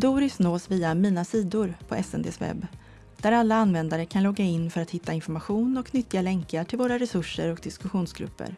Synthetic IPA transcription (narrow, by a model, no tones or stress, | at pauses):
d̪uːɾɪsnoːsviːamiːnasiːd̪ʊɾpʰɔʔɛsɛ̰nd̪ḛːsvɛ̰bː | d̪̥æɾalːaanvɛnd̪aɾəkʰanlɔɡːaɪnːfœɾat̪hɪt̪ːaɪnfɔɾmaɧuːnɔknʏt̪ːɪɡalɛŋkəʈʰɪlvoːɾaɾɛsɵʂːəɾɔk̚d̪ɪskɵɧuːnsɡɾɵ̰pːə̰ɾ